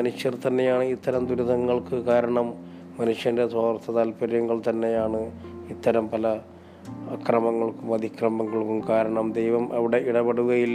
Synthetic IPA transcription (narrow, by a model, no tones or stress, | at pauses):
ɐnuʂjɐrt̪ɐnːe̞jaːɳɨit̪ːɐɾɐmd̪uɾuðɐŋːɐɭkɨkaːɾɐɳɐmː | ɐnuʂjɐndeswaːrt̪ʰːɐðaːlpɐɾjɐŋːɐɭt̪ɐnːe̞jaːɳɨit̪ːɐɾɐmpɐlɐ | ɐkrɐmɐŋːɐɭkumɐd̪ikrɐmɐŋːɐɭkumkaːɾɐɳɐmd̪ejʋɐmʔɐʋiɽe̞iɽɐbeɽuɣɐjilː